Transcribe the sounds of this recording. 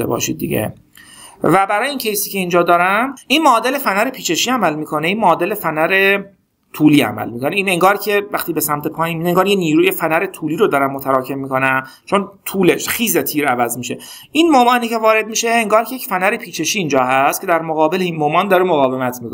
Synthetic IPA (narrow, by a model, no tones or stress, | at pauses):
ḛbɒ̰ːʃḭd̪̚d̪ḭɟḛ | væbæɾɒːjeiːncʲʰejsiːcʰʲe̞iːnd͡ʒɒːd̪ɒːɾæminmɒːd̪e̞le̞fænæɾe̞pʰiːt͡ʃʰe̞ʃiːæmælmiːkʰo̞neinmɒːd̪e̞le̞fænæɾe̞ | t̪ʰuːliːæ̰mæ̰lmiːkʰo̞neiːne̞ŋɡɒːɾcʰe̞væχt̪iːbe̞sæmt̪ʰepʰɒːjinmid̪eŋɡɒːɾjeniːɾuːjefænæɾe̞t̪ʰuːliːɾod̪ɒːɾæmːot̪ʰæɾɒːcʰe̞mmːiːkʰo̞næm | t͡ʃʰont̪ʰuːleʃχiːzet̪ʰiːɾævæzmiːʃe̞ | ʔinmomɒːniːcʰevɒːɾe̞d̪̚miːʃe̞ːŋɡɒːɾʰejecfænæɾe̞pʰiːt͡ʃʰe̞ʃiːnd͡ʒɒːɦæst̪kcʰe̞d̪æɾmoɣɒːbe̞linmomɒːnd̪ɒːɾemoɣɒːvemæt̪ʰmiːkʰo